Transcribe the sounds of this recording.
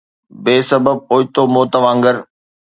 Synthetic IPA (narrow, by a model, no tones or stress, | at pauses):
beːsɐbəb̚oːɪt̪omoːt̪əʋãːŋɡəɾ